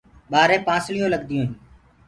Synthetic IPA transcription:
ɓaːɾẽːpãːsɭɪjõːləɠd̪ɪjõːɦː

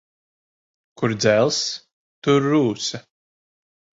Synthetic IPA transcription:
kuɾd̪zælˠs | t̪uɾːuːsa

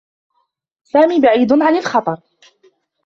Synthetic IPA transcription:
saːmiːbaʕiːd̪ʕanɪlxɑt̪ˤɑɾˤ

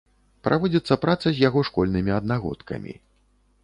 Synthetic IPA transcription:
pɾʔavɔd͡zʲit̪sːɐpɾat̪sɐzʲjaɣɔʂkɔlʲnɨmʲiɐd̪̚naɣɔ̰t̪kʰɐ̰mʲḭ

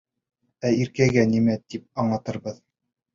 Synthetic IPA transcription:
æiɾkæɡænimæt̪ip̚ɑɴlˠɑt̪ɤ̆ɾbɤð

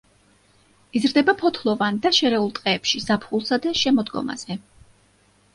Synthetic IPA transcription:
izɾd̪ɛbapʰɔt̪ʰlˠɔvand̪aʃɛɾɛulˠt̪ʼqʼɛːpʃizapʰχulˠsad̪aʃɛmɔd̪ɡɔ̰ma̰z̥ɛ

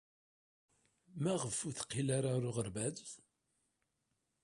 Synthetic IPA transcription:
mæʁəfːuθqːilaɾaɾuʁəɾbæð

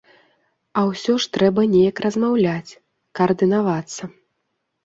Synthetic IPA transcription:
ɐwsʲɔʂt̪ɾɛbɐnʲejɐkrɐzmawlʲat͡sʲ | kɐɐrd̪ɨnavat̪sːɐ

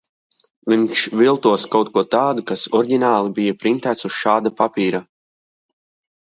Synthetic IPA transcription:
viɲʃvilˠt̪uɔskawt̪̚kuɔt̪aːd̪ukasɔɾɟʲinaːlˠibijapɾint̪æːt̪susʃaːd̪apapiːɾa

